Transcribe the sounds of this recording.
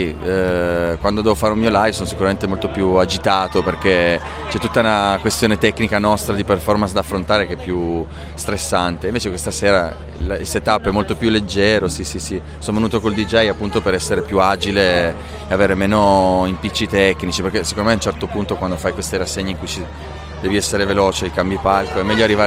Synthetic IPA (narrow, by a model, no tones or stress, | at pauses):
i | kwand̪od̪ɛːvofaːɾeumiːolajvsoːnosikuɾament̪emolt̪opjuad͡ʒit̪aːt̪operke | t͡ʃɛt̪ːut̪ːaunakwest̪joːnet̪ɛkːnikanɔst̪ɾad̪iperfɔrmansd̪afːɾont̪aːɾekepːju | st̪ɾesːant̪eːiɱveːt͡ʃekwest̪aseːɾa | lilset̪apːɛmːolt̪opjulːed͡ʒːɛːɾosisisi | soːnovenuːt̪okold̪id͡ʒɛjapːunt̪opeɾɛsːeɾepjuaːd͡ʒileː | aveːɾemeːnoimpit͡ʃːit̪ɛkːnit͡ʃiperkesːekond̪omeaunt͡ʃɛrt̪opunt̪okwand̪ofajkwest̪iɾasːeɲːiŋkujt͡ʃi | d̪ɛːviɛsːeɾeveloːt͡ʃelkambjipalkoɛmːɛʎːoarːiva